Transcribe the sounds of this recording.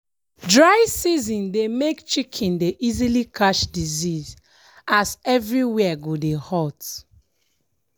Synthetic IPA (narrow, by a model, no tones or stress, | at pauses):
dɹaɪsizĩndemekt͡ʃikʰĩndeʔizilikʰaʃdiziz | asɛvɹiwɛaɡodehɔt